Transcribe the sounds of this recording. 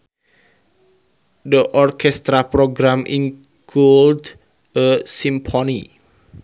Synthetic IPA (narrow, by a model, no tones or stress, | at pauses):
dəʔɔrkʰɛst̪ɾaproɡɾãmʔĩŋ | kʰuld | ʔəsimpʰɔni